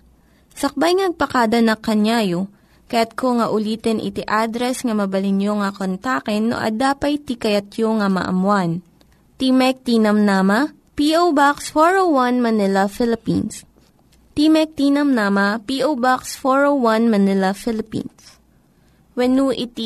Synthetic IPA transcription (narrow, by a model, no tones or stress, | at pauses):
sɐk̚bajŋnɐɡ̚pɐkaːd̪ɐnɐkɐɲaːjo | kɐjat̪̚koŋɐʔʊliːt̪ɛnʔɪ̰t̪iʔad̪ɾɛsŋɐmɐbɐlɪnjoŋɐkont̪aːkɛnːo̰ʔɐ̰d̪aːpɐjt̪ikɐjɐt̪joŋɐmɐ̰ʔɐ̰mwan | t̪imɛk̚t̪iːnɐmnaːmɐ | piʔowbaksfoɹowwɐnmɐnɪlɐfɪlɪpḭns | t̪imɛk̚t̪inɐmnaːmɐpiʔowbaksfoɹowwɐnmɐnɪlɐfɪlɪpḭns | wɛnuʔɪt̪i